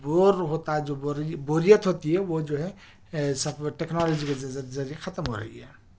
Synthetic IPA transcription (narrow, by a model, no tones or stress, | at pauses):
boɾɦot̪ad͡ʒoboɾboɾijət̪ɦot̪iɦɛʋod͡ʒoɦɛ | səbʈeknalod͡ʒiked͡ʒəɾijekʰət̪əmɦo̰ɾɛ̰iɦɛ̰